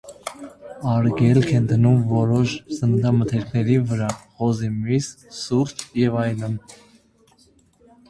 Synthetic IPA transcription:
ɑɾɡɛlkʰɛnd̪ʰənumvɔɾɔʃsənət̪ʰɑmət̪ʰɛɾkʰnɛɾivəɾɑχɔzimis | suɾt̪ʰjɛvɑjlən

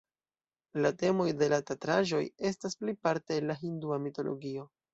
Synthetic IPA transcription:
late̞mo̞jde̞latatɾaʒo̞je̞stasplipaɾte̞ːnlaɦinduamito̞lo̞̰ɡio̞

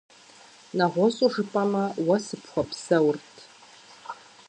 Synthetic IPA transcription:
nɐʁʷɔsʼuʐɨpʼɐmɐwɐsɨpxʷɔpʰsɐwrtʰ

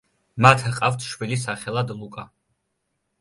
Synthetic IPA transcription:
mat̪ʰqʼawt̪ʰʃwilis̬aχɛlˠad̪lˠukʼa

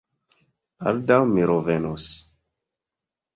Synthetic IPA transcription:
a̰ldawmiɾovenos

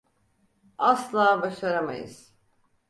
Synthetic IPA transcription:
aslˠaːbaʃaɾama̰jɯ̰z̥

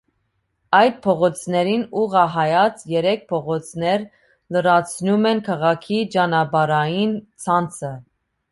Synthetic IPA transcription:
ɑjd̪̚pʰɔʁɔt͡sʰnɛɾinuʁɑɦɑjɑt͡sʰjɛɾɛk̚ʰpʰɔʁɔt͡sʰnɛɾ | ləɾɑt͡sʰnumɛnkʰɑʁɑkʰit͡ʃɑnɑbɑɾɑjint͡sʰɑnt͡sʰə

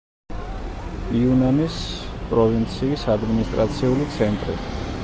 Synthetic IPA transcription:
iunanispʼɾɔvint̪sʰiːsad̪minist̪ʼɾat̪sʰiulit̪sʰɛnt̪ʼɾḭ

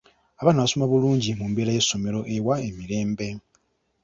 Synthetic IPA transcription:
aβanaβasomaβuluːɲɟimumbeɾaje̞so̞meɾo̞ʔewaemiɾe̞ːmbe̞

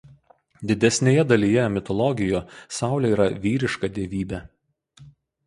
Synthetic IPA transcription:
d̪ʲɪd̪ʲɛsʲnʲeːjɛd̪ɐlʲijɛmʲɪt̪ɔlˠɔɡʲɪjoːsɑˑʊlʲɛiːɾɐʋʲiːɾʲɪʃkɐd̪ʲeːʋʲiːbʲæː

